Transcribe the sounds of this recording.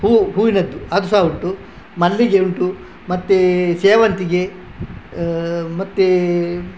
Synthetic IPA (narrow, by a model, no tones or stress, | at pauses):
huːɦuːinɐd̪ːuɐd̪usaːuɳʈu | mɐlːiɡeuɳʈu | mɐt̪ːeseːʋɐnt̪iɡe | mɐt̪ːe